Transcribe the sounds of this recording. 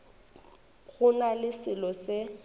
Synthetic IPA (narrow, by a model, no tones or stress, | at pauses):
ɣʊnalɪsɪlɔsɪ